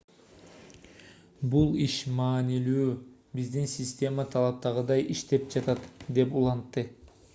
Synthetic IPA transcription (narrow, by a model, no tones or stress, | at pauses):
bulˠiʃmɑːnilyː | bizd̪insʲɪsʲtʲe̞mət̪ʰɑlˠɑp̚t̪ɑʁɯd̪ɑjʔiʃt̪e̞p̚d͡ʒɑt̪ɑt̪d̪e̞pulˠɑnt̪ːɯ